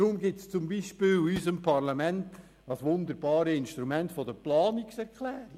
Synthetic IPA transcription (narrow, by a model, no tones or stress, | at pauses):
ɾʊmɡɪtst͡sʊmbiːʃpɪːlysəmpʰɑʁlamɛnt | ɑsʋʊnd̪əɾbɑːɾəɪnʃtɾumɛntfɔdəplɑːniksɛɾkʰlɛːɾi